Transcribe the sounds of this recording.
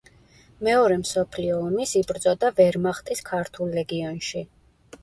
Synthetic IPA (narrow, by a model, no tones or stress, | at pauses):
mɛɔɾɛmsɔpʰliɔːmisibɾt̪sʼɔd̪avɛɾmaχt̪ʼiskʰaɾt̪ʰulˠːɛɡiɔnʃi